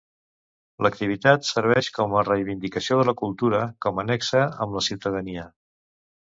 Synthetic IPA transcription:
ləkt̪iβit̪at̪səɾβ̞ɛʃkɔmərəjβind̪ikəsioðələkulˠt̪uɾəkɔmənɛksəəmləsiwt̪əðəniə

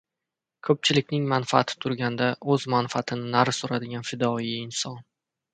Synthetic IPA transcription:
kʰɵp̚t͡ʃʰɪlɪkʲnɪŋmanfaat̪ʰɪ̥t̪ʰʊɾɡʲand̪aʔɵzmanfaat̪ʰɪnɪnaɾsoɾad̪ɪɡʲanfɪd̪ɒiɪnsɒn

